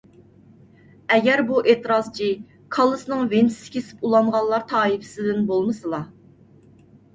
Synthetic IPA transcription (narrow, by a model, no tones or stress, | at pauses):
ɛɡʲɛɾbuʔet̪ɨɾɑz̥t͡ʃʰi | kʰɑlˠɨsnɨŋvensɪ̥sɪ̥kʲʰesɪ̥pulˠɑɴʁɑllːˠɑɾt̪ʰɑːipʰɪ̥sɪd̪ɪnbolˠmɨsɨlˠɑ